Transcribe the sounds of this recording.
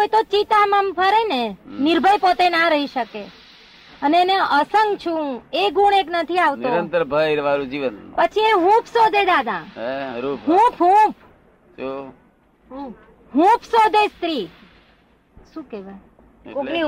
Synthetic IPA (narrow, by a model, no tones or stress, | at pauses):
kojt̪ot͡ʃit̪aməmpʰəɾenenɪɾbʱəjpot̪enaɾəɦiʃəke | əneːneʔəsəŋɡt͡ʃʰũeɡuɽ̃eknət̪ʰiaʋtnõɾənt̪əɾbʱəiɾʋaɾũd͡ʒiʋənpət͡ʃʰiẽɦũpʰsod̪ʱed̪ad̪ʱã | ɦũpʰɦũp | d͡ʒo | ɦũp | ɦũpʰsod̪ʱest̪ɾi | ʃũkeʋaj | koni